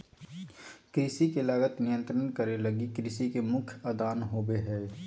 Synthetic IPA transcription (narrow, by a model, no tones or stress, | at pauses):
kɾisikelaːɡət̪nɪjə̃nt̪ɾənkəɾeləɡikɾisikemʊkʰjɐd̪aːnɦoːbeɦɛː